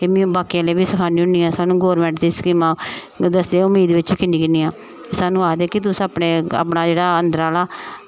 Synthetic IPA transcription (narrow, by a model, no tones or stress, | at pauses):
emĩbaːkijãːleːʋiːsəkʰaːnĩːʊɳiːãːsaːnũːɡoːɾmɛ̃ːɳʈd̪iːskɪmãː | d̪əsd̪eʊmːiːd̪ʋɪt͡ʃkɪniːkɪniːãː | esaːnũːaːd̪eːkɪt̪̬ʊsĩəːpneːa̰ːpnaːd͡ʒeːɽaːənd̪əɾaːlaː